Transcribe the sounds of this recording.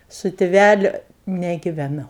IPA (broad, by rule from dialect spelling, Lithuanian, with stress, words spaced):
sʊ tʲɪˈʋʲælʲʊ nʲɛɡʲɪʋʲɛˈnɐʊ